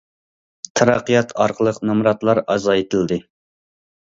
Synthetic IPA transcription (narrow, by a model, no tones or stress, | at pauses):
t̪ʰɑɾɑqːijɑt̪ʰɑɾqʰəlˠəqnɑmɾɑt̪lˠɑɾɑzɑjet̪ʰɨld̪ɨ